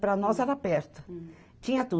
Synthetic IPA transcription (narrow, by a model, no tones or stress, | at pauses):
pɾɐnɔzɛɾapɛɾt̪ʊ̥ | t͡ʃĩɲɐt̪u